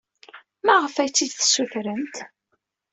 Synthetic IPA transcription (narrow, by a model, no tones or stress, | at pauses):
mæʁəfæjt͡sːid̪θsuθɾənt̪